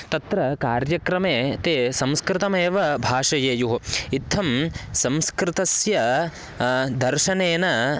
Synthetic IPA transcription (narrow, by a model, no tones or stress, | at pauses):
t̪ɐt̪ɾɐkaːɾjɐkɾɐmeːt̪eːsɐ̃mskɾɪt̪ɐmeːʋɐbʱaːʂɐjeːjuɦɐit̪ʰːɐmsɐmskɾɪt̪ɐsjɐ | d̪ɐɾʃɐneːnɐ